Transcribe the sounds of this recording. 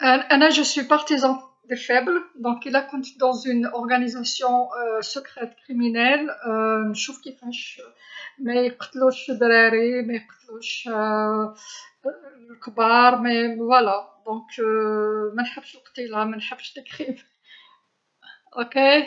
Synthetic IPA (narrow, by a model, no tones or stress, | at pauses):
ʔæʔænæʒəswipaʁt̪izɑ̃ | d̪efɛbld̪ɔ̃kilakɔ̃nt̪d̪ɑ̃zynɔʁɡænizasjɔ̃səkʁɛt̪kχiminɛlənʃufkifæʃ | mɛjqt̪luʃd̪ɾæɾimejqt̪luʃ | lkbaɾˤmevwalad̪ɔ̃k | mænħəbːʃlqt̪ilamænħəbːəʃd̪əkχiv | ʔoke